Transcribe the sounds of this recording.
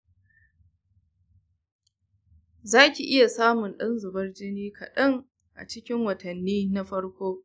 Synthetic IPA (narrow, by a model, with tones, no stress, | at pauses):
zaː˦kʲi˨ʔɪ˦ja˨saː˦mʊ˨nɗɐ˦nzʊ˨bɐ˦rd͡ʒɪ˦niː˦kʰɐ̰˨ɗɐ˦ŋ | ʔa̰˨t͡ʃɪ˦kʲɪ˦ŋwɐ˨tɐ˨nːiː˦na˦ɸɐ˦ɽkʷoː˦